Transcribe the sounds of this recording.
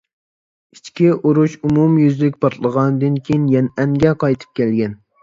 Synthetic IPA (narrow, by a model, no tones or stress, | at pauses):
it͡ʃkʲiʔuɾuʃumumjyzlɪkʲpʰɑɾt̪ʰlˠəʁɑnɨd̪ɨnkʲʰejinjɛnɛŋɡʲɛqʰɑjt̪ʰɨ̥p̚kʲʰɛlɡʲɛn